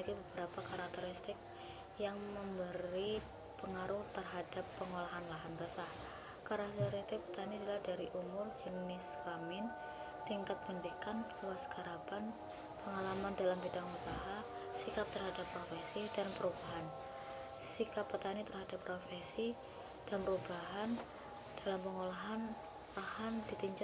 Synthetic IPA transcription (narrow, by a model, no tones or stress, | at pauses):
ɡibəbəɾapakaɾak̚t̪əɾɪst̪ɪk̚ | jaŋməmbəɾi | pəŋaɾʊht̪ərɦadapːəŋolaɦanlaɦanbəsah | kaɾak̚t̪eɾist̪ɪk̚pə̥t̪anidilahdaɾiʔumʊrd͡ʒənɪslamɪn | t̪iŋkat̪̚bənt̪ikanluaskaɾapan | pəŋalamandalampidaŋusaɦa | sikap̚t̪ərɦadapːɾofesidanpəɾubaɦan | sikapːət̪anit̪ərhadapːɾofesi | d̥anpəɾubaɦan | d̥alampəŋolaɦan | lahandit̪iɲd͡ʒ